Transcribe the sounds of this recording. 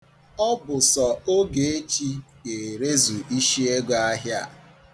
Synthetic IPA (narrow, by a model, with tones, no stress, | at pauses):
ɔ˦bʊ˨sɔ˨o˦ɡe˨e˦t͡ʃi˦ke˨ɾe˦zu˨ʔi˦ʃi˦e˦ɡa˦ɦja˦˨